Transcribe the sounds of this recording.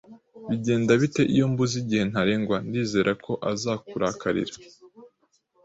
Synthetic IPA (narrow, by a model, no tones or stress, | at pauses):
βiɟe̞ːndaβite̞ʔijo̞mbuziɟihe̞n̥haɾe̞ːŋɡwandiːze̞ːɾʔakʰo̞ʔazakuɾaːkaɾḭɾḁ